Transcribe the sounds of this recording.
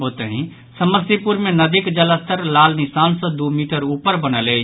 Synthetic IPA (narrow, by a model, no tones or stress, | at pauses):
ɦot̪əɦĩ | səməsipuɾmenəd̪ikd͡ʒələst̪ʰəɾlalnisansɔ̃d̪umiʈəɾupəɾbənəle